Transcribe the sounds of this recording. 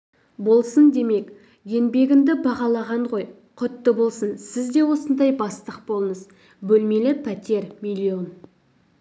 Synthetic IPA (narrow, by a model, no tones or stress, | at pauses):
bo̞lˠsənd̪e̞me̞k | je̞nbe̞ɡʲɪnd̪ɪbɑʁɑlˠɑʁɑɴʁo̞j | qʰʊt̪ːəbo̞lˠsənsɪzd̪e̞wo̞sənd̪ɑjbɑst̪əq̚bo̞lˠəɴəz | bɵlme̞lɪpʰæt̪e̞ɾmilʲio̞n